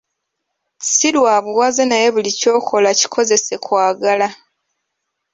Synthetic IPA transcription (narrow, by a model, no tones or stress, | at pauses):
ci̥siɾwaːβuwazenajeβulico̞ːkʰo̞laci̥kʰo̞ze̞se̞kwaːɡala